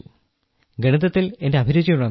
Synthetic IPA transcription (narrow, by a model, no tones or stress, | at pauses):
ɡeɳut̪ːɐt̪ːile̞nde̞ɐbʱiɾut͡ɕːɐjuɭːɐn